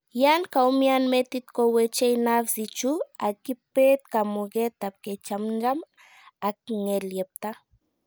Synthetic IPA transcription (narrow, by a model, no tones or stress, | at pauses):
jankaumjanmet̪it̪kowet͡ʃejnafsit͡ʃua̰kipet̪̚kamuɡet̪ap̚ket͡ʃamd͡ʒam | ak̚ŋeljep̚t̪a